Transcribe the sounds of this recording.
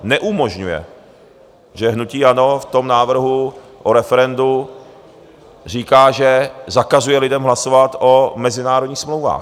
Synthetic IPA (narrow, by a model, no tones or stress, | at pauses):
nɛʔumo̞ʒɲujɛ̰ | ʒɛɦnuciːano̞ft̪o̞mnaːvr̩ɦu | ʔoɾɛfɛɾɛndu | r̝iːkaːʒɛzakazujɛlɪdɛmɦlasovat̪omɛzɪnaːɾodɲiːxsmlowva̰ːx